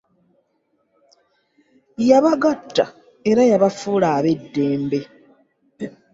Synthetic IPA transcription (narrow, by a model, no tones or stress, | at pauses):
jaβaɡatːa̰ | e̞ɾajaβafuːlaːβe̞dːe̞ːmbe̞